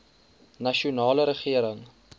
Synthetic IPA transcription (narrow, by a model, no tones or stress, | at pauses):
nɐʃiunɑːləɾəχiəɾəŋ